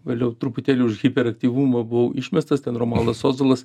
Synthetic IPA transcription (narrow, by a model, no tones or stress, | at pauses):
ʋʲeːlʲɛʊt̪ɾʊpʊt̪ʲæːlʲuːʊʃɣʲɪpʲɛɾɐkt̪ʲiːʋumɐbʊʋoɪʃʲmʲɛst̪ɐst̪ʲɛnroːmɑːlˠd̪ɐsoːzolˠɐs